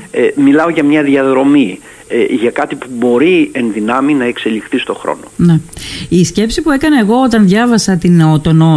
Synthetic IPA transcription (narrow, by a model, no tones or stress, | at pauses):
emilɐo̞ʝɐmɲɐðiɐðɾo̞mi | eʝɐkɐt̪ipubo̞ɾie̞nðinɐminɐe̞kse̞lixθist̪o̞xɾo̞̰noneisce̞psipue̞kɐnɐe̞ɣo̞ot̪ɐnðʝɐvɐsɐt̪inot̪ono